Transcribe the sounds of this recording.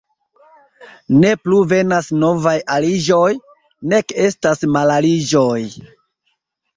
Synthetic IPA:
ne̞pluve̞nasno̞vajalid͡ʒo̞j | ne̞ke̞stasmalalid͡ʒo̞j

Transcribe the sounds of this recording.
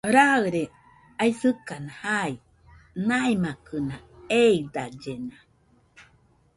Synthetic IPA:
ɾaɯɾe | ajsɨkanahai | naimakɯnaeid̪ad͡ʒena

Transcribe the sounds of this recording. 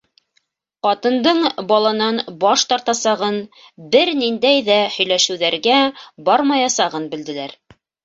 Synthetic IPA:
qɑt̪ɤ̆nd̪ɤɴbɑlˠɑnɑnbɑʃt̪ɑɾt̪ɑsɑʁɤn | bɘɾnind̪æjðæhɵ̆jlæʃɘ̆wðæɾɡæbɑɾmɑjɑsɑʁɤnbɘ̆ld̪ɘ̆læɾ

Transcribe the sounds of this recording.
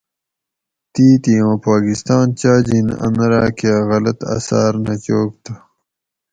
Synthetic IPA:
t̪iːt̪iwãːpaːkist̪aːnt͡ɕaːd͡ʑinɐ̰nɾaːkeɣɐlɐt̪a̰sa̰ːɾnɐt͡ɕoːk̚t̪a

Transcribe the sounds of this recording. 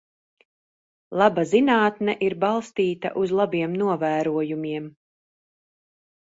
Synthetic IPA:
lˠabazinaːt̪nɛʔiɾbɑlˠst̪iːt̪a̰ʔuzlˠabiɛmnuɔvæːɾuɔjumiɛm

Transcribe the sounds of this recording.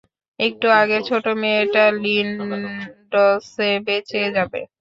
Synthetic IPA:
ek̚ʈuaɡet͡ɕʰoʈomeʈalin | ɖɔsebet͡ɕʰed͡ʑabḛ

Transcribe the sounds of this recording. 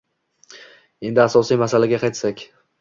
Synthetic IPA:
e̞nd̪ɪasɒsijmasalaɡʲaqʰɑjt̪sakʲ

